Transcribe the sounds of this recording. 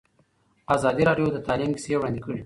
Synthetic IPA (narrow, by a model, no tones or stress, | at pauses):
azɑd̪iɾɑɖjod̪ət̪ɑlimkisewɽɑnd̪ikəɽi